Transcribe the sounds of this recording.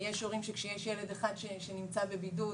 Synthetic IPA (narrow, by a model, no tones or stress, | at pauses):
jeʃoʁimʃekʃejeʃjeled̪eχad̪ʃeʃenimt͡sabebidu